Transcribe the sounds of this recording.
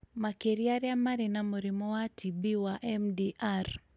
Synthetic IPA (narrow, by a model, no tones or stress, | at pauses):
makɛɾiaɾiamaɾinamuɾimɔwatʰibiwaʔɛmdiʔaɾ